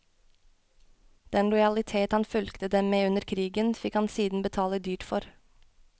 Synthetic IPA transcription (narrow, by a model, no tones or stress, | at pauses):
d̪̥ɛnlɔʏɑlɪt̪ʰeːt̪hɑnfʉlkt̪əd̪ɛmmeːʉnəɾkʰɾiːɡənfɪkhɑnsiːd̪n̩bət̪ʰɑːləd̪yːʈfɔɾ